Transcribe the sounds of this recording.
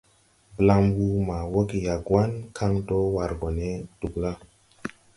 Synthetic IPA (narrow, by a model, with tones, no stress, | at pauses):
bə˨la˧˦mbu˦ma˨wo˦ki˨ja˨ɡwa˦nkʰa˦ŋto˦wa˨ɾɡo˨ne˦d̥u˨kla˦